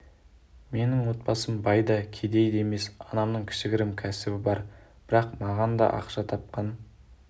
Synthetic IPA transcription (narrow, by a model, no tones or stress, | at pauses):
me̞nɪŋwo̞t̪̚pɑsəmbɑjd̪ɑkʲʰed̪e̞jd̪e̞me̞sɑnɑmnəɴkʲʰɪ̥ʃɪɡʲɪɾɪmkʲʰæsɪbɪbɑɾ | b̥ɪɾɑqmɑʁɑnd̪ɑ̰ʔɑ̰qʃɑt̪ʰɑp̚qɑn